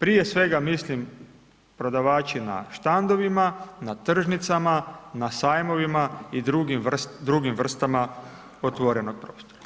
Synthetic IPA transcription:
pɾije̞sʋe̞ɡamislim | pɾo̞d̪aʋaːt͡ʃina̰ʃt̪and̪o̞ʋimanat̪r̩ʒnit̪samanasaːjmo̞ʋimaid̪ɾuɡimd̪ɾuɡimʋr̩st̪ama | ot̪ʋoɾe̞noɡ̥̚pɾoːst̪oɾa

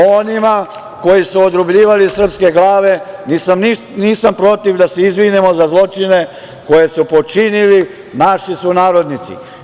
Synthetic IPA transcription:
o̞nima | ko̞jisuod̪ɾubʎiːʋalisr̩pske̞ɡlaːʋe̞nisamni | niːsampɾo̞t̪iʋd̪aseizʋinemozazlˠo̞t͡ʃine̞ | ko̞je̞supo̞t͡ʃinili | naʃisunaːɾo̞d̪nit̪sḭ

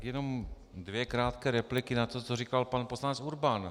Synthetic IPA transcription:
kjɛno̞m | dvjɛkɾaːt̪kɛːɾɛplɪkɪnat̪o̞t͡sorikalpanposlanɛt͡suɾban

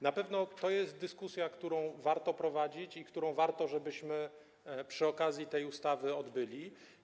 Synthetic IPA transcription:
napɛvnɔt̪ɔjɛst̪̚d̪ɘskusʲjakt̪uɾɔ̃w̃vaɾt̪ɔpɾɔvad͡ʑit͡ɕikt̪uɾɔ̃w̃vaɾt̪ɔʐɛbɘɕmɘ | pʂɘɔkazʲjit̪ɛjust̪avɘɔd̪bɘlʲi

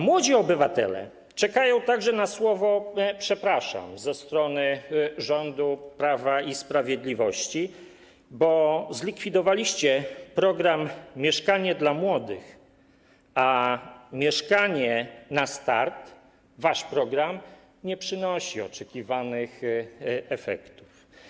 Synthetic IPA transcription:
mwɔd͡ʑiɔbɘvat̪ɛ̰lɛ̰ | t͡ʂɛkajɔ̃w̃t̪aɡʐɛnaswɔvɔpʂɛpɾaʂa̰mzɛst̪ɾɔnɘʐɔnd̪upɾavaispɾavʲjɛd̪lʲivɔɕt͡ɕi | bɔzlʲikfʲid̪ɔvalʲiɕt͡ɕɛpɾɔɡɾamːʲjɛʂkaɲɛd̪lamwɔd̪ɘx | amʲjɛʂkaɲɛnast̪aɾt̪ | vaʂpɾɔɡɾam | ɲɛpʂɘnɔɕiɔt͡ʂɛkʲivanɘx | ɛfɛ̰kt̪u̥f

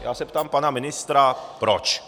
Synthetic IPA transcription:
ja̰ːsɛpt̪aːmpanamɪnɪst̪ɾapɾɔt͡ʃ

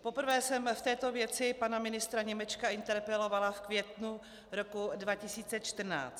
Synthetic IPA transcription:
po̞pr̩vɛːsɛmft̪ɛːt̪o̞vjɛt͡sɪpanamɪnɪst̪ɾaɲɛmɛt͡ʃkaɪnt̪ɛɾpɛlo̞valafkvjɛt̪nu | ɾo̞kudvacɪsiːt͡sɛt͡ʃt̪r̩na̰ːt͡st̪

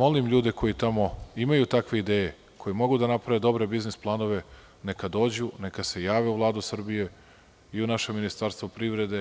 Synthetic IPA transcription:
mo̞limʎuːd̪e̞ko̞jit̪amo̞imajut̪akʋe̞id̪eːje | kʰo̞jimo̞ɡud̪anapɾaʋed̪o̞bɾe̞biznisplˠano̞ʋe̞ | ne̞kad̪o̞ːd͡ʑune̞kase̞jaːʋe̞uvlˠaːd̪usr̩bije | iunaʃeminist̪aɾst̪ʋopɾiʋɾe̞d̪e̞

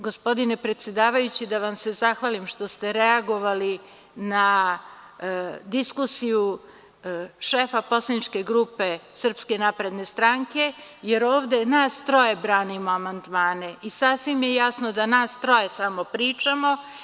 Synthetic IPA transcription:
ɡo̞spo̞d̪ine̞pɾe̞t̪sjed̪aːʋajut͡ɕid̪aʋamse̞zaxʋaːlimʃt̪o̞st̪e̞ɾeaɡo̞ʋali | na | d̪iskusiju | ʃeːfapo̞slˠanit͡ʃke̞ɡɾuːpe̞sɨr̩pske̞napɾe̞d̪ne̞st̪ɾaŋke̞jeɾo̞ːʋd̪e̞naːst̪ɾo̞je̞bɾaːnimo̞amand̪maːne̞isasʋimjejasno̞d̪anaːst̪ɾo̞je̞samo̞pɾiːt͡ʃamo̞

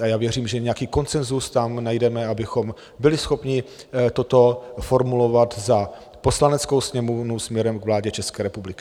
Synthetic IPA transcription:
ajaːvjɛriːmʒɛɲɛjakiːko̞nt͡sɛnzust̪amnajdɛmɛabɪxo̞m | bɪlɪsxo̞pɲɪ | t̪o̞t̪o̞foɾmulo̞vat̪za | po̞slanɛt͡skowsɲɛmovnusmɲɛɾɛmɡvlaːɟɛt͡ʃɛskɛːɾɛpublɪkɪ

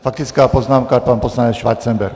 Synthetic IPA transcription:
fak̚t̪ɪt͡skaːpoznaːmkapanposlanɲɛt͡sʃʋaɾt͡sɛmbɛ̰ɾk

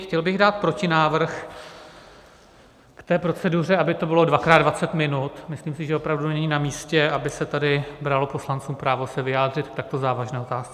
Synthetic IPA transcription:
xcɛlbɪɣdaːt̪̚pɾo̞cɪnaːvr̩x | kt̪ɛːpɾo̞t͡sɛdur̝ɛabɪt̪o̞bɪlo̞dvakɾaːdvat͡sɛt̪mɪnut̪mɪsliːmsɪʒɛo̞pɾavdunɛnɛɲɪnamiːscɛabɪsɛt̪adɪbɾalo̞po̞slant͡suːmpɾaːvo̞sɛvɪjaːd̪r̝ɪt̪kt̪ak̚t̪o̞zaːvaʒnɛːo̞t̪aːst͡sɛ

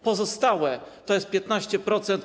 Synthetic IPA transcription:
pɔzɔst̪awɛt̪ɔjɛst̪pʲjɛt̪naɕt͡ɕɛpɾɔt̪sɛnt̪

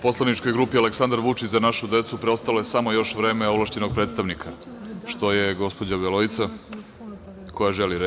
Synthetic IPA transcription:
po̞slˠanit͡ʃko̞jɡɾuːpialeksand̪aɾʋut͡ʃit͡ɕzanaʃud̪e̞t̪supɾeo̞st̪alojesamojo̞ʃʋɾeːmeoβlˠaʃt͡ɕenoɡ̚pɾed̪t̪st̪aʋnikʰaʃt̪o̞jeɡo̞spo̞d͡ʑaβelo̞it̪sa | ko̞jaʒeliɾe

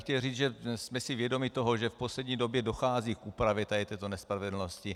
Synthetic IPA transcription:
xcɛlriːd͡zʒɛsmɛsɪvjɛdo̞mɪt̪oɦoʒɛfposlɛdɲiːdo̞bjɛdoxaːziːkʔuːpɾavjɛt̪adɪt̪ɛːt̪onɛspɾavɛdl̩noscɪ

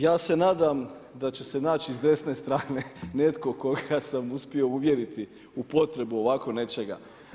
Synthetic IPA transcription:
jaːse̞naːd̪amd̪at͡ɕese̞naːt͡ɕiizd̪e̞sne̞st̪ɾaːne̞ne̞t̪ko̞ko̞ɡasamuspio̞uʋje̞ɾit̪i | upo̞t̪ɾe̞buo̞ʋako̞ne̞t͡ʃe̞ɡa̰

